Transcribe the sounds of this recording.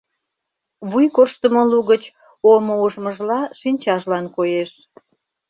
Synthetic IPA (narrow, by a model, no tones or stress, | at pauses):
βujkorʃt̪əmoluɣət͡ɕ | omouʒməʒlɑʃinʲt͡ɕɑʒlɑnkojeʃ